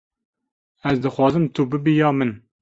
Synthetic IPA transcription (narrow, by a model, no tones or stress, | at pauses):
ɛzd̪ɨxwɑːzɨmt̪ʰubɨbijɑːmɨn